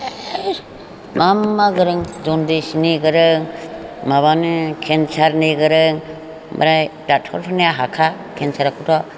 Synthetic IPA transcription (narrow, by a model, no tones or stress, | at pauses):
mamːaɡɯɾɯŋd͡ʒɔndisiniɡɯɾɯŋmaβanɯkʰensaɾniɡɯɾɯŋ | ma̰ɾajdatʰɔɾpʰanijaɦakʰa | kʰensʰaɾakʰutʰɔ